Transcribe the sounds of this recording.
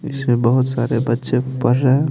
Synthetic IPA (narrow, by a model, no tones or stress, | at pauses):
ɪsmẽbəɦʊt̪saɾebətːʃepəɾːəɦe